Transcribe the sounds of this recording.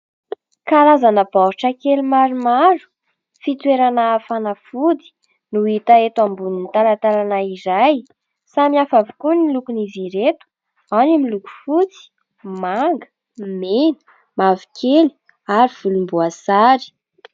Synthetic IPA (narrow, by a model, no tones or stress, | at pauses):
kaɾazanəb̥aɦuʈ͡ʂakelumaɾumaɾu̥ | fit̪weɾanaːfanafud̪i̥ | nuit̪aet̪ambuninit̪alat̪alanaizaj | samiafavukunilukuniziɾet̪u̥ | animiluku̥fut͡si̥ | maŋɡə̥ | menə̥ | mavi̥kʰeli̥ | aɾiv̥ulumbuasaɾi̥